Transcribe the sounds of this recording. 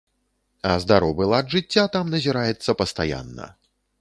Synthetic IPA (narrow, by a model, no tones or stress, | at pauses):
ɐzd̪aɾɔvɨlˠad̪ʐɨt͡sʲːat̪amnɐzʲiɾajɛt̪sːɐpɐst̪aja̰nːɐ̰